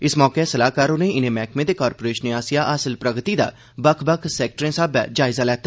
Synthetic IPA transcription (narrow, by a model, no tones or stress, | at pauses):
ɪsmɔːkesəlaːkaːɾʊnẽːɪnẽːmɛːkʰmẽːd̪eːkaːɾpoːɾeːʃneaːsɪjaːʔaːsəlpɾəɡt̪iːd̪a̰ː | bəkʰbəkʰsɛːk̚ʈɾẽːsaːba̰ːd͡ʒaːɪzaːlɛːt̪aː